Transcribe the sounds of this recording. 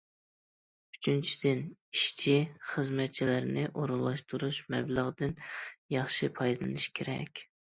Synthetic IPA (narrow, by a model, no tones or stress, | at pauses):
y̥t͡ʃʰynt͡ʃʰi̥d̪̥ɪniʃt͡ʃʰiχəzmɛt̪̚t͡ʃʰilɪɾnɪʔoɾulˠːɑʃt̪uɾuʃmɛ̰blˠəʁd̪ɨnjɑχʃɪpʰɑjd̪ɨlˠɨ̰nɨʃkʲʰeɾɛ̰kʲ